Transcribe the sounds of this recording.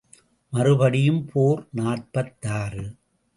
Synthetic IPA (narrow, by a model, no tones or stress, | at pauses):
mɐɾɯbɐɽɪjɯmpʰoːɾnaːʈ̚pɐt̪ːaːɾɯ